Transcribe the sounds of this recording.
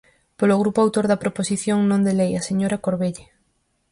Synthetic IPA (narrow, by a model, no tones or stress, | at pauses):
poloɣɾupoawt̪oɾðɐpɾoposiθjoŋnõnd̪elejaseɲoɾakoɾβeʎe